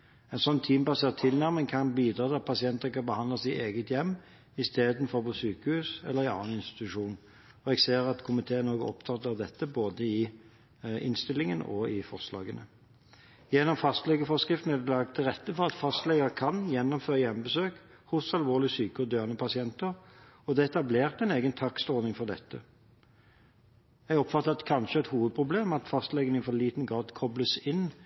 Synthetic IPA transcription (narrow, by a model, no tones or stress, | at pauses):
ɛnsɔnːt̪ʰiːmbɑseːʁt̪ʰɪlnæʁmɪŋkʰɑnbiːd̪ɾʁɑːt̪ɪɑt̪̚pʰɑsɪɛnt̪əʁkʰɑnbəhɑnd̪lɑsɪeːɡət̪jɛmː | ɪst̪eːd̪n̩fɔʁpɔsyːkəhʉːsɛ̰lːəʁɪɑ̰nːɑnɪnst̪ɪ̥t̪ɪt̪ʉʂuːn | ɔɛɡseːʁɑt̪kʰʊmɪt̪ʰeːnoːɡəɔ̰p̚t̪ʰɑt̪ːɑʋd̪ɛt̪ːəboːd̪əɪ | ɪ̰nst̪ɪlɪŋənɔ̰ɪfɔʁslɑ̰ːɡənə | jɛnːɔmfɑst̪lɛɡəfɔskʁɪft̪n̩æd̪ɛlɑɡ̚t̪ʰːɪlʁɛt̪ːəfɔʁɑt̪fɑst̪lɛɡəʁkʰɑnjɛnːɔmføːʁəjɛmbəsøːk | hʊsɑlʋoːʁlɪsyːkəɔd̪jøːʁənəpʰɑsɪɛnt̪əʁ | ɔd̪ɛɛt̪ɑbleːʁt̪ɛɪneːɡənt̪ʰɑkst̪ɔːnɪŋfɔʁd̪ɛ̰t̪ːə | jɛɡɔpfɑt̪ːəʁɑt̪kʰɑnʃəɛt̪huːʋəd̪̚pʰʁʊbleːmɑt̪fɑst̪lɛɡənifɔliːt̪nɡʁɑːd̪kʰɔbləsɪn